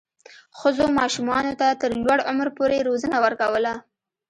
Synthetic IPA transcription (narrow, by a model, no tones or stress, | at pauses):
xəzomɑʃumɑnot̪at̪əɾlwaɽʊ̰mɾpoɾeɾozənawəɾkawəla